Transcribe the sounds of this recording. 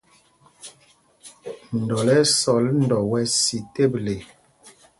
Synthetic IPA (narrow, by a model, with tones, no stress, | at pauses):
n̩˨dɔ˨lɛ˦sɔ˨˦ln˨dɔ˨wɛ˦si˨te˦˨ble˨